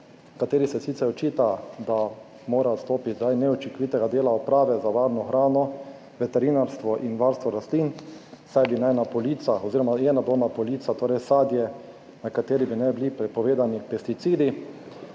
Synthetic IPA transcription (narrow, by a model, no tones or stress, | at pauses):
kat̪eːɾisɛsit̪sɛɾɔt͡ʃiːt̪ad̪a | moːɾast̪oːpit̪ʲzd̪ajnɛɔt͡ʃikɔʋit̪ɛɡad̪eːlaɔpɾaːʋɛzaʋaɾnɔxɾaːnɔ | ʋɛt̪ɛɾinaɾst̪ʋɔʔinʋaɾst̪ʋɔɾast̪linsajbinajnapɔliːt̪saɔziːɾɔmajɛnad̪oːnapɔliːt̪sat̪oːɾɛjsaːd̪jɛ | nakat̪eːɾibinɛbilipɾɛpɔʋeːd̪anipɛst̪it̪siːd̪i